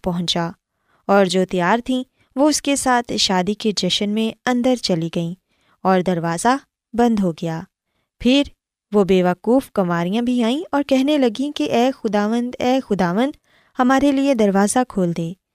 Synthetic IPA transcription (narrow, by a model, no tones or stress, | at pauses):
pɐɦʊ̃ɲt͡ʃaː | ɔːɾd͡ʒoːt̪ijaːɾt̪ʰĩ | ʋoʊskesaːt̪ʰʃaːd̪iked͡ʒɐʃənmẽɐ̃nd̪əɾt͡ʃɐliɡɐĩ | ɔːɾd̪ɐɾʋaːza | bɐ̃nd̪ɦoɡɐjaː | pʰɪɾ | ʋobeːʋɐkuːfkɐmaːɾijãbʱiaːĩɔːɾkɛɦnelɐɡĩkeʔɛːxʊd̪aːʋə̃nd̪ɛːxʊd̪aːʋə̃nd̪ | hɐmaːɾelied̪ɐɾʋaːzakʰoːld̪eː